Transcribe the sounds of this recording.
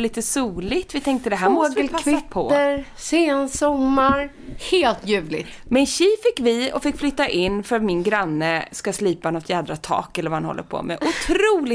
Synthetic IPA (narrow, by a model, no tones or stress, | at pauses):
liːt̪əsuːlɪt̪vɪt̪ʰɛŋk̚t̪əd̪ɛɦæɾɡəlkʰvɪpʰɔəɾ | seːnsɔmːaɾ | heːlt̪jʉ̟ːvlɪ̰t̪mɪnɕiːfɪkːvɪɔfɪkːflʏt̪ːaʔɪnːfœɾat̪mɪnɡɾanːəskasliːpanɔt̪ʰjæːd̪ɾat̪ʰɑ̰ːkɛləɾvahanhɔ̰lːə̰ɾpʰɔ̰mɛ̰ʔʊt̪ʰɾuːlɪ